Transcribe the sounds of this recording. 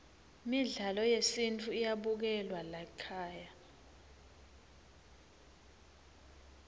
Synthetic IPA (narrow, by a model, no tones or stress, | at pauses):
miɮalɔjesintʰʼuijaɓuk̬ɛlwalakʰaːja